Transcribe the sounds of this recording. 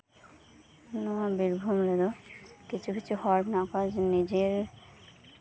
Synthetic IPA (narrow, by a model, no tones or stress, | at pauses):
nɔabiɾbʱumled̪okit͡ɕʰukit͡ɕʰuhɔɾʈnakɔd͡ʑnid͡ʑeɾ